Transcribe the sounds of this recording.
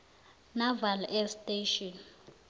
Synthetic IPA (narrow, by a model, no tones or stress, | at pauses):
navalɛstʼeʃɔn